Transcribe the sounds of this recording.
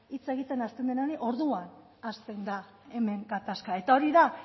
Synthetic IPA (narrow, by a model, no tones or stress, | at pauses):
it͡se̞ɣ̞it̪e̞nast̪e̞nd̪enaneʔo̞ɾðuan | ast̪e̞nd̪a | e̞me̞ŋɡat̪askae̞t̪ao̞ɾiða